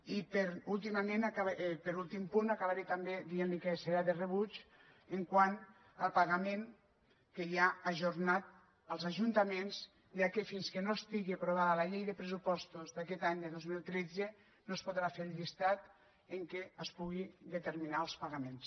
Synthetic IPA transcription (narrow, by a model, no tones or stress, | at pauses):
ipeɾulˠt̪̬imamenakaβpeɾulˠt̪impunakaβaɾet̪ambed̪ienlikeseɾaðereβut͡ʃ | eŋkwan | əlˠpaɣameŋ | kejaaʒuɾnat̪̚ | əlˠzaʒunt̪amenz | ʒakefinskenoest̪iɣiapɾoβ̞aðəlaʎejðəpɾesupɔst̪uzd̪akɛt̪aɲd̪əðozmilˠt̪ɾɛd͡ze | noespoðɾafeɾʎist̪at̪ | eŋkeəspuɣiðət̪eɾminaəlˠspaɣamens